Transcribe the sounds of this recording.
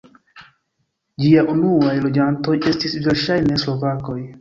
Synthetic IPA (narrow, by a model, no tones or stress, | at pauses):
d͡ʒiaʔunuajlo̞d͡ʒanto̞je̞stisviɾʃajne̞slo̞vako̞j